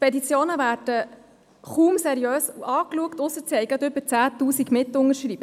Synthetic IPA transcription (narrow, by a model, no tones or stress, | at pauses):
pɛdit͡sjoːnəvæːrd̥ə | χuːmsɛɾiøːsuʔɑːkluəkt̪ʊsəɾt͡sɛɪɡət̪ʏbət͡sæːt̪uːsiɡmɪtːʊŋəɾʃriːb̥ə